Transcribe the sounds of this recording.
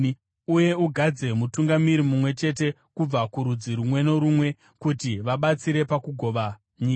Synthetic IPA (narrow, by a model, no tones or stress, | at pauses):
uje̞uɡʱad͡ze̞mutuŋɡamiɾimumwe̞t͡ʃe̞t̬e̞ | kub͡vakuɾud͡ziɾumwe̞no̞ɾumwe̞ | kutiʋaɓat͡siɾe̞pakuɡʱo̞ʋa | ɲiːa